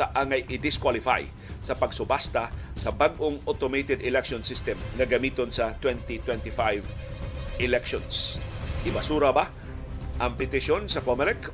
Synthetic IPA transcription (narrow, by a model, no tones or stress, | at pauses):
ɐʔaŋɐjʔɪd̪ɪskwalɪfa̰j | sɐpɐɡsʊbast̪asɐbaɡʔoŋʔot̪omejt̪ɛd̪ɪlɛkʃonsɪst̪ɛmŋɐɡɐmiːt̪onsɐt̪wɛnt̪it̪wɛnt̪ɪfajv | ʔɪlɛkʃonsʔɪbasuːɾɐba | ʔɐŋpɪt̪ɪʃonsɐkomɛlɛk